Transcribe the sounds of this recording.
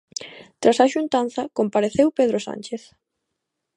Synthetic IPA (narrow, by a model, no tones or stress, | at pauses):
t̪ɾasaʃunt̪an̟θɐkompaɾeθewpeð̞ɾosa̰nʲt͡ʃeθ